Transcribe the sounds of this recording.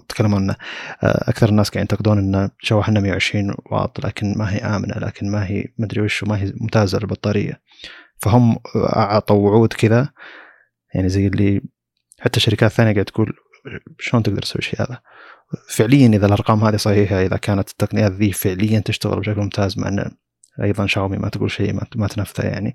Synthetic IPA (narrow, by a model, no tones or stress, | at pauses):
t̪kʰalːamuʕanːaʔʔa̰kθɑɾˤnːaːsɡaʕnjɪnt̪ɑqd̪uːnʔɪnːaʃawːaħanːamjawʕɪʃɾiːnwɑ̰ːt̪ˤːla̰ːkɪnmaɦiːʔaːmɪna̰la̰ːkɪnmaɦḭmad̪ɾiwɪʃumaɦimʊmt̪aːza̰lɪlbɑt̪ˤːɑːɾɪ̰jːa̰ | faɦʊmːʔɑ̰ʕt̪ˤɑwʊʕuːd̪kɪða | jaʕnizajːɪlːi | ħat̪ːaʃːaɾɪkaːθːaːnjaɡaʕd̪akuːl | ʃloːnt̪ɪɡd̪ɑɾˤt̪sa̰wːḭʃḛjha̰ːða | fɪʕlɪjːanʔɪðalʔɑɾˤqɑːmhaːðisˤɑħiːħaʔɪða̰kaːnat̪t̪ːaqnɪjaːt̪ðiːfɪʕlɪjːant̪ɪʃt̪aɣɪ̰lbɪʃaklmʊmt̪ʰaːzma̰ʕʔa̰nːa̰ | ʔɑ̰jðˤɑnʃaːɣmimʔa̰t̪ɡṵːlʃḛːmamat̪anafθa̰ja̰ʕnḭ